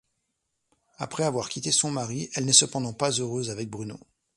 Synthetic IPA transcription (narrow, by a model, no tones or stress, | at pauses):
a̰pχɛavwaʁkʲit̪esɔ̃maʁiɛlnɛsəpɑ̃d̪ɑ̃pazøʁøzavɛk̚bʁyno̰